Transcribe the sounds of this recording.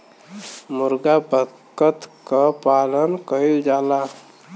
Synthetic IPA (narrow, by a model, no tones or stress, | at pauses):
mʊɾɡabə | kət̪kapaːlənkəild͡ʒaːla